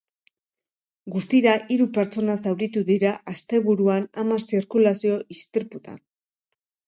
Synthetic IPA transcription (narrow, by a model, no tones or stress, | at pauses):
ɡust̪iɾaʔiɾupe̞ɾt͡so̞nasawɾit̪uðiɾaʔast̪e̞βuɾuanamasiɾkulasio̞ʔist̪iɾput̪a̰n